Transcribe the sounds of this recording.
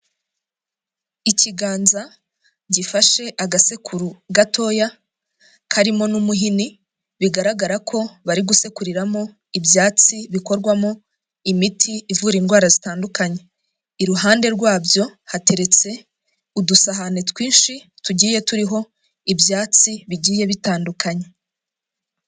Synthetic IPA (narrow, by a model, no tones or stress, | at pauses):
iciɡaːnza | ɟifaʃe̞ʔaɡase̞kʰuɾuɡatʰo̞ja | kʰaɾimo̞numuɦini | βiɡaɾaɡaɾakʰo̞βaɾiɡuse̞kuɾiɾamo | ibjaːt͡siβiko̞ɾɡwamo | imitʰiːvuːɾiːnɡwaːɾazitaːndukaɲe̞ | iɾuɦaːnde̞ɾɡwaːbjo̞hate̞ɾe̞t͡se̞ | udusaɦanetwiːnʃituɟiːje̞tuɾiɦo̞ | ibjaːt͡siβiɟiːje̞βitaːndukʰaɲe̞